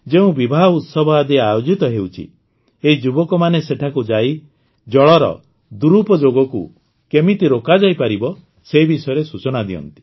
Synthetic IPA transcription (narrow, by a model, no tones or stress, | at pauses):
d͡ʒeũbibʱaɦɔut̪sɔbʱad̪iajod͡ʒit̪ɔɦeut͡ʃʰḭ | eɦid͡ʒubɔkɔmaneseʈʰakud͡ʒai | d͡ʒɔɭɔɾɔ̰ | d̪uɾupɔd͡ʒoɡɔku | kemit̪iɾokad͡ʒajpaɾibɔ | seibisɔjɔɾesut͡ʃɔnad̪iɔ̰nt̪i̥